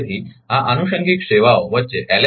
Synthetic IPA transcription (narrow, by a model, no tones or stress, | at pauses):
t̪iɦaʔənuɕəŋɡʱikɕeʋawʋətːt͡ɕeʔæl